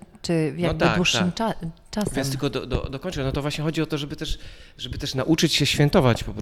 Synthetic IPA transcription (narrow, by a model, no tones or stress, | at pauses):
t͡ʂɘvjat̪aɡk̪wuʂːaɘmat͡ʂasjast̪lkɔd̪ɔ̰d̪ɔ̰d̪ɔkɔɲʲt͡ʃɛnɔt̪ɔvwaɕɲɛxɔd͡ʑiɔt̪ɔʐɛbɘt̪ɛʂʐɛbɘt̪ɛʂnaʔut͡ʂɘt͡ɕɕɛɕfʲjɛnt̪ɔvat͡ɕpɔpɾ